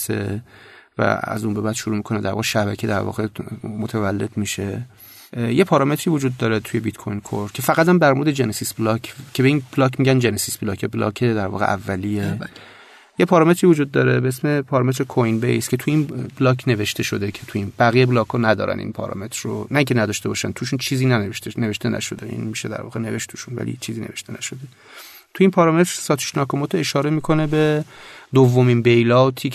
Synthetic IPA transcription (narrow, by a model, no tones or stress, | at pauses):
se | væ̰æ̰zunbe̞bæːd̪̥ʃuɾuːmikʰo̞ned̪æ̰ɾvɒ̰ɣeʃæbæcʰed̪æɾvɒ̰ːɣemot̪ʰævælːe̞d̪miʃe̞ | jepʰɒːɾɒːme̞t̪ʰɾivod͡ʒuːd̪ːɒːɾet̪ʰuje̞bit̪kʰojnkʰo̰ɾ̥cʰefæɣæt̪æmd̪æɾmoɾd̪ed͡ʒenesisblɒkʰcʰːe̞beiːnb̥lɒːkmiːɟænd͡ʒenesisb̥lɒːcʰeblɒ̰ːkʰed̪æɾvɒ̰ːɣeʔævːælije | jepʰɒːɾɒːme̞t̪ɾiːvod͡ʒuːd̪̚ːɒːɾe̞beesme̞pʰɒːɾɒmet̪ɾekʰojnbḛjskʲʰe̞t̪ʰuiːnblɒːkʰne̞ve̞ʃt̪e̞ʃo̞d̪ekʰet̪ʰuiːnb̥æɣijeblɒːkʰonæd̪ɒ̰ːɾʔæ̰nḭnpʰɒ̰ɾɒ̰me̞t̪ʰɾːo̰næiŋcʰenæd̪ɒʃt̪ebɒːʃænt̪ʰuːʃ̬unt͡ʃʰiːziːnæeʃt̪neve̞ʃt̪enæ̰ʃo̞̰d̪eḭnmiːʃed̪æ̰ɾvɒ̰ːɣene̞ve̞ʃt̪t̪ʰuːʃunvæ̰lḭt͡ʃʰiːziːne̞ve̞ʃt̪e̞næ̰ʃod̪e | t̪ʰuiːnpʰɒːɾɒmet̪ɾ̥sɒːt̪ʰu̥ʃnɒːkʰomot̪ʰoeʃɒːɾe̞miːkʰo̞nebe̞d̪ovːomiːnbejlɒːt̪ʰiː